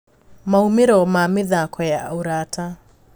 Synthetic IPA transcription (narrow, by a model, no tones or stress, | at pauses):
maumeɾɔmameðakɔjaoɾaːta